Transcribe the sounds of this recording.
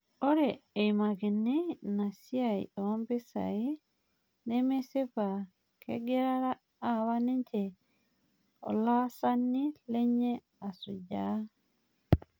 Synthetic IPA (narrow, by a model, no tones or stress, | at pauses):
ʔɔɾɛːjmaɡɛnːɛnasiajɔmbɛsa̰jɛ | nɛmɛsɛfa | kʰɛ̰ɡɛɾaɾaː | waniɲd͡ʒɛ | ɔ̰lasanːilɛɲːɛ | asud͡ʒa